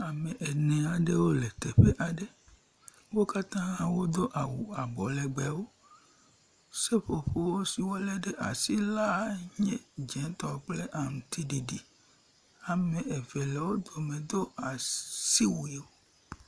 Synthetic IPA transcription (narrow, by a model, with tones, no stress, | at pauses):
a˨me˨ʔe˨nẽ˨a˨ɖe˦wo˦le˨t̪e˨ɸe˦ʔa˨ɖe˦ | wo˦ka˦t̪ã˦ã˦wo˦d̪o˦ʔa˨wu˨a˨bɔ˨le˨ɡ͡bɛ˨wo˦ | se˦ɸo˨ɸo˦wo˦si˨wo˦lɛ˦ɖe˦ʔa̰˨si˦la˦ɲẽ˦d͡ʒɛ̃˨˦t̪ɔ˨k͡ple˦ʔa˨m̩˨t̪i˦ɖi˨ɖi˨ | a˨mẽ˨e˨ve˨lɛ˨wo˦d̪o˨mẽ˨d̪o˦a˨si˦wu˨e˨wo˦